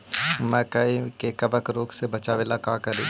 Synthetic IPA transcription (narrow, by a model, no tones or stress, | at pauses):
mɛ̃ːkɐikekɐbəkɾoːksebɐt͡ʃaʋeːlakãːkɐɾeː